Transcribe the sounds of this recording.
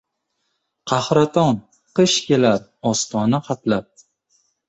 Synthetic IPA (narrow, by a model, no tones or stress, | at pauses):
qʰɑhɾat̪ʰɒn | qɨʃkʲe̞laɾɒst̪ɒnaqʰɑt̪lap̚